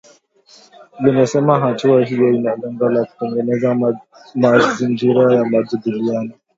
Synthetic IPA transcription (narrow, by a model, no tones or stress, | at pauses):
limɛsɛmaɦãt͡ʃiwaɦijɔinalɛŋɡalaku̥pɛŋɡɛnɛza | mazind͡ʒiɾajamad͡zubulijana